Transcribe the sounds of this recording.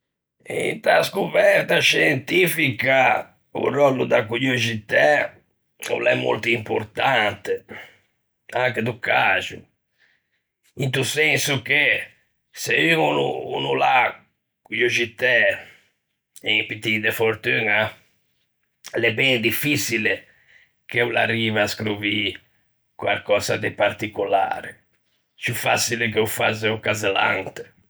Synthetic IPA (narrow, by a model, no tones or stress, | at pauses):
ḭnt̪a̰skuβɛɾt̪aʃɛnt̪ifika | ṵrɔlːud̪akuʎod͡ʒit̪ɛ | ṵlːɛ̰mːo̰lt̪uimpo̰ɾt̪ant̪e | aŋked̪ukazṵ | int̪usensuke | seyŋunṵṵnula | kujod͡ʒit̪ɛ | epit̪id̪efoɾt̪yna | lɛbɛŋd̪ifisile | keula̰rːiːvaskɾuvi | kwa̰lkɔːzad̪epaɾt̪ikula̰ːɾe | t͡ʃufasilek̬eufa̰zeukazela̰nt̪e̥